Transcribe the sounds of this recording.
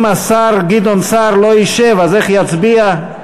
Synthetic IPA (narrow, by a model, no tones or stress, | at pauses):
masaɾɡid̪onsaɾloiʃevazeχjat͡sbia